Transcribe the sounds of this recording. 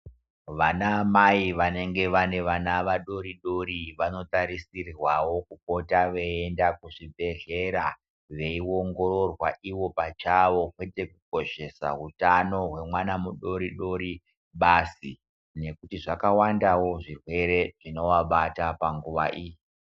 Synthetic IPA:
ʋanamaiʋane̞ŋɡe̞ʋane̞ʋanaʋaɗo̞ɾiɗo̞ɾiʋano̞taɾisirirwawo̞kuko̞taʋe̞endakuʐibʱe̞ɮe̞ɾa | ʋe̞iwo̞ŋɡo̞ɾo̞rwaʔiwo̞pat͡ʃaʋo̞kwe̞te̞kuko̞ʃe̞sa̰rutano̞ɦwe̞mwanamuɗo̞ɾiɗo̞ɾi | ɓasi | ne̞kutiʐakawandawo̞ʐirwe̞ɾe̞ʐino̞waɓatapaŋɡuʋa̰ʔiːji

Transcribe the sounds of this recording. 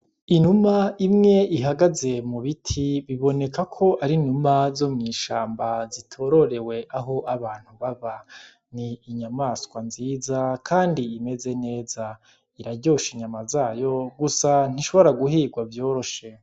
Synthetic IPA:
inumaimŋe̞iɦaɡaze̞muβitʰiβiβo̞ne̞kʰakʰo̞ʔaɾinumazomŋiːʃaːmbazitʰoɾo̞ɾe̞we̞ʔaɦo̞ʔaβaːn̥huβaβa | niːɲamaːskwanziːzakʰaːndiːme̞ze̞ne̞ːza | iɾaɟoːʃiɲamazaːjo̞ɡusan̥iʃo̞βo̞ɾaɡuɦiːɡwavjo̞ːɾo̞ʃe̞

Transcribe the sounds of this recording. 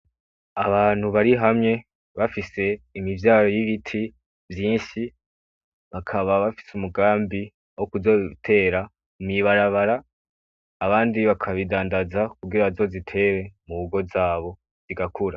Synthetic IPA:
aβaːn̥huβaɾiɦamŋe̞ | βafise̞imivjaːɾojiβitʰi | vjiːnʃi | βakʰaβaβafi̥sumuɡaːmbi | ahokuzo̞tʰe̞ːɾa | mumɲiβaɾaβaɾaː | βaːndiβakʰaβidaːndazakuɡiɾazo̞zitʰe̞we̞muβuɡo̞vzaːβo̞ | z̥iɡakʰuɾa

